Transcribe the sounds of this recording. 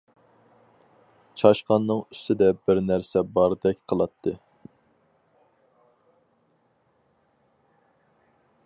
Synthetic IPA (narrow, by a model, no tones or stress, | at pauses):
t͡ʃʰɑʃqɑnːɨŋyst̪ʰɪd̪ɛb̥ɪɾnæɾsɛbɑɾɨd̪ɛkʲqʰəlˠɑt̪ʰːɨ